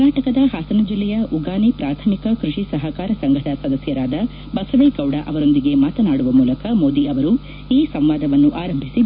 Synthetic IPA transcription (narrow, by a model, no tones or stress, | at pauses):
ɐnaːʈɐkɐd̪ɐɦaːsɐnɐd͡ʒilːɛjɐʔuɡaːnipɾaːt̪ʰɐmikɐkɾuʂisɐɦɐkaːɾɐsɐŋɡʱɐd̪ɐsɐd̪ɐsjɐɾaːd̪ɐ | bɐsɐʋeːɡɐwɽɐʔɐʋɐɾo̞nd̪iɡe̞maːt̪ɐnaːɽuʋɐmuːlɐkɐmo̞ːd̪iɐʋɐɾu | iːsɐmʋaːd̪ɐʋɐnːuʔaːɾɐmbʱisi